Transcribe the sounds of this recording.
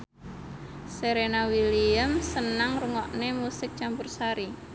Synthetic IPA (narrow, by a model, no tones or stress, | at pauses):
seɾenawiliəmsənaŋruŋɔʔnemusɪk̚t͡ʃampursaɾi